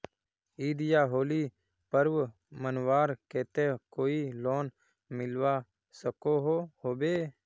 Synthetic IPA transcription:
iːd̪ɪjaːɦoːliː | pəɾʋ | mənʋaːɾkeːt̪ẽːkoːiːloːn | mɪlʋaː | səkoːɦoːhoːbeː

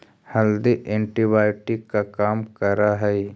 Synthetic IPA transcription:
hɐld̪iʔẽːɳʈibaːɪʈikakaːmkɐɾaɦɛ

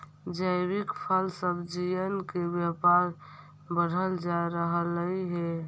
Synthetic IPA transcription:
d͡ʒəɾikpʰəlsəbd͡ʒijənkebjəpaɾ | bəɽ̤ʱəld͡ʒaɾəɦələiɦe

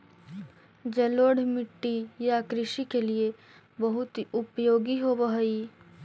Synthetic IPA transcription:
d͡ʒɐloːɽ̤mɪʈːijakɾɪʃikelie | bɐɦʊt̪ʊpjoːɡiɦoʋəɦi

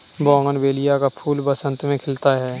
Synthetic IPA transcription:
bɔ̃ːŋɡənbeːlijakapʰuːlbəsə̃nt̪mẽkʰɪlt̪aɦɛː

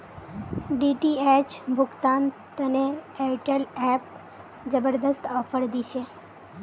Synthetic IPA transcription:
ɖiʈiɛt͡ʃbʱʊkt̪ant̪əneɛʈəlɛp | d͡ʒəbəɾd̪əst̪ɔfəɾd̪iʃe

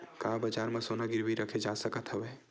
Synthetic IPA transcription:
kaːbəd͡ʒaːɾmãsonaɡɪɾʋiɾəkʰed͡ʒasəkət̪ɦəʋeː

